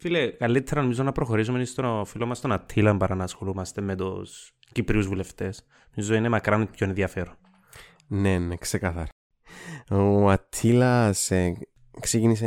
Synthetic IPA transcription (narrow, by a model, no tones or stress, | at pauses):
filekɐlːit̪ʰːeɾɐnomizonɐpɾo̞xo̞ɾis̬umenist̪ofilomɐst̪onɐt̪ʰːilɐmbɐɾɐnɐːsxo̞lumɐst̪e̞med̪os | cipɾiuzvuleft̪e̞s | nomizoinemɐkɾɐnpçoenðjɐfe̞ɾon | neneksekɐθɐɾɐ | ɐt̪ʰːilɐse | ksecinise